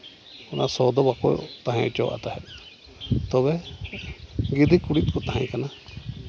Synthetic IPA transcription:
ɔnasɔd̪ɔbakɔj̰t̪aɦãt͡ʃɔwʔa̰t̪aɦɛ | t̪ɔβɛ | ɡid̪ikuɽit̪̚kɔt̪aɦãj̃kana

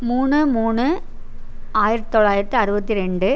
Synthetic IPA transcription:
muːɳːɯmuːɳːɯ | aːjɪɾɐt̪ɯt̪ːɔɭːaːjɪɾɐt̪ːɯɐɾɯbɐt̪ːiɾɛɳɖɯ

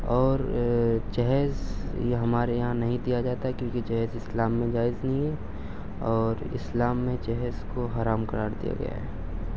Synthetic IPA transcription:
ɔːɾd͡ʒɛɦɛzjeɦɐmaːɾejɐɦãnɐɦĩd̪ijad͡ʒaːt̪aɦɛkjõːkit͡ʃɛɦɛzɪslaːmːẽd͡ʒaːɪznɐɦĩɦɛ | ɔːɾɪ̰slaːmːẽt͡ʃɛɦzkoɦaːɾaːmkɐɾaːɾd̪ḭja̰ɡɐ̰ja̰ɦɛ̰ː

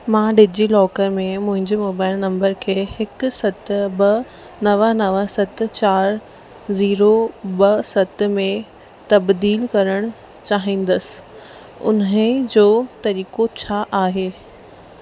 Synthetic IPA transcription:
mãːɖɪd͡ʑilɔːkəɾmẽmʊ̃ɦɪ̃ɲd͡ʑemoːbaːɪlnɐ̃mbəɾkʰeːhɪkʊsɐt̪bɐ | nɐʋənɐʋəsɐt̪̆t͡ɕaːɾ | ziːɾobɐsɐt̪̆mẽ | t̪ɐbd̪iːlkɐɾəɽ̃ʊ | t͡ɕaːɦĩːn̆d̪əsɪ̥̆ | ʊ̰nəd͡ʑoːt̪ɐɾiːkot͡ɕʰaːʔaːɦeː

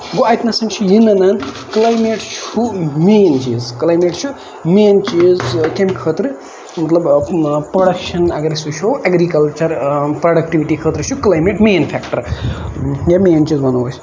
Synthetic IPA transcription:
ɡoɐjt̪nɐsɐŋt͡ʃʰujinɐnan | klajmeʈt͡ʃʰumeːnt͡ʃḭːzklajmeʈt͡ʃʰu | meːnt͡ʃizkʲemʲkʰət̪ɾɨ | mɐt̪lɐbpɾoɽɐkʃɐnɐɡɾesut͡ʃʰoʔɐɡɾikɐlt͡ʃɐɾpɾoɽɐk̚ʈiʋiʈikʰəːt̪ɾɨt͡ʃʰuklajmeʈmeːnpʰeːkʈɐɾ | jameːnt͡ʃizbɐnuʋəsʰ

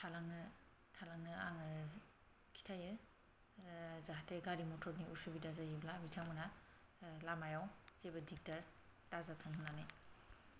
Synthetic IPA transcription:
tʰalaŋnɯ | tʰalaŋnɯaŋɯ | kʰi̥tʰajɯ | zaɦatʰeɡaɾimɔtʰɔɾniʔusubidazajiblabitʰamɯna | lamajawzebɯdik̚taɾ | tazatʰɯnɦunanɯj

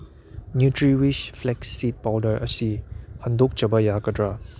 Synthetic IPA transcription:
njutɹiwiʃflɛksit̚b̥ɔdəʔəsihãndʊk̚t͡ʃəbəjakədɹa

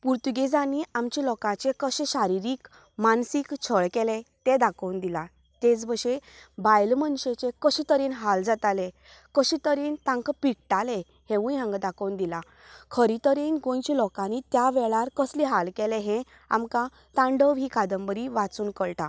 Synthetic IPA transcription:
puɾt̪uɡed͡zaniamt͡ɕilɔkãt͡sekəɕeɕaɾiɾiːk | mansikt͡ɕʰəɭkɛlet̪ed̪akʰəwnd̪ila | t̪et͡sbəɕebajlmənɕet͡ɕekəɕit̪əɾiːnɦald͡zat̪ale | kəɕit̪əɾiːnt̪ãŋkpiʈ̚ʈale | hẽʋũjɦãŋɡd̪akəwnd̪ila | kʰəɾit̪əɾiːnɡõjt͡ɕilɔkãnit̪jaʋɛɭaɾkəsliɦalkeleɦɛ̃ | a̰mkã | t̪ãɳɖəʋɦiːkʰad̪əmbəɾiʋat͡suːnkəɭʈa

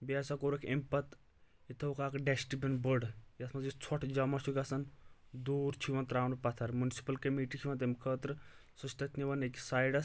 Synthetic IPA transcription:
biasɐkoɾɐkʰʲempɐt̪ | it̪ʰɐukaːkɖesʈibʲinbəɽjɐt̪ʰmɐzit͡sʰɔʈʰd͡ʒɐmɐsukʲɐsɐnd̪uːɾt͡ʃʰiʋɐnt̪ɾaːwnpɐt̪ʰɐɾmunsi̥pɐlkɐmiʈit͡ʃʰiʋɐnt̪̬emkʰəːt̪ɾɨsut͡ʃt̪ɐt̪ʰʲniʋɐnekʲisaːjɖɐs

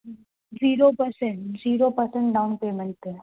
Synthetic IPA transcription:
ziːɾopəɾsẽɳʈziːɾopəɾsɛ̃ɳʈɖaʊnpeːmɪ̃lʈɛ

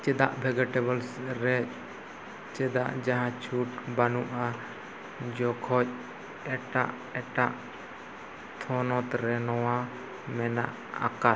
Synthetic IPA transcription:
t͡ʃɛd̪aʔbʱɛɡaʈɛbɔlsɾɛ | t͡ʃɛd̪aʔd͡ʒaɦãt͡ʃʰuʈbanuʔa | d͡ʒɔkʰɔc̚ | ɛʈaʔ | ɛʈaʔ | t̪ʰɔnɔt̪ɾɛnɔwa | mɛna̰ʔ | a̰ka

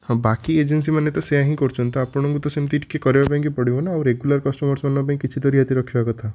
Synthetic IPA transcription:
hɔ̃bakied͡ʒens̬imanet̪ɔseaɦĩkɔɾt͡ʃʰɔnt̪ɔapɔɽ̃ɔ̃ŋkut̪ɔsemt̪iʈʰi̥kekɔɾebapãĩkipɔɽibɔnaːwɾeɡjulaɾkɔsʈɔmɔɾsmanbap̬aĩkit͡ʃʰit̪ɔɾiɦat̪iɾɔkʰibakɔt̪ʰa

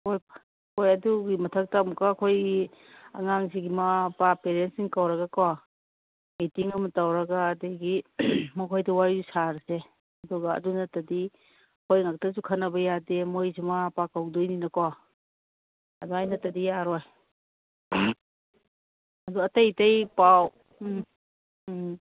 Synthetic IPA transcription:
koj | kojɐduɡimɐtʰɐk̚tamukakʰojɡi | a̰ŋaŋziɡimapapeɾensiŋkawɾɐɡakawa | mitiŋɐmɐtawɾɐɡaːdejɡimɐkʰojdɐwaɾizusaɾse | ɐdɔɡaɐ̰dunɐtɐdi | kʰojŋak̚tɐsukʰɐnɐbɐjademojzimapakawdojninɐkawa | ɐ̰dɔajnɐtɐdijaɾɔj | ɐdɔɐtɐjtɐjpaw

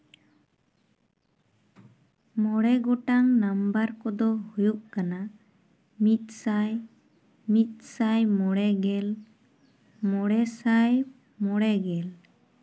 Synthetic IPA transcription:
mɔɽɛɡɔʈaŋnambaɾkɔd̪ɔhujuʔ̚kana | mit̪̚ˀsaj | mit̪̚ˀsajmɔɽɛɡɛl | mɔɽɛsaj | mɔɽɛɡɛl

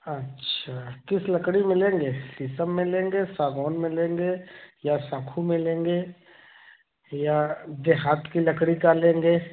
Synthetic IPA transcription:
ətːʃʰakɪsləkɽimɪlẽːŋɡeːisəmːẽlẽːŋɡesaːɡɔːnmɪ̃lẽːŋɡejasãːkʰumɪ̃lẽːŋɡeː | jad̪eɦaːt̪kilɐkɽikalẽːŋɡeː

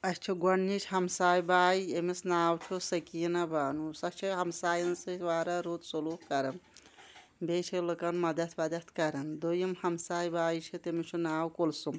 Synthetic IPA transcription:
ɐst͡ʃʰiɡɐɳːit͡ʃʰɦɐmsaːjbaːiemisnaːwt͡ʃʰusɐkinabaːnusɐst͡ʃʰiɦɐmsaːjɐnsɨʋaːɾaɾoːt̪soluːkɐɾɐn | beːt͡ʃʰilɨkɐnmɐd̪ɐt̪ʰbɐd̪ɐt̪ʰkɐɾɐnd̪ojimhɐmsaːjbaːjt͡ʃʰit̪emit͡ʃʰunaːwkolsum

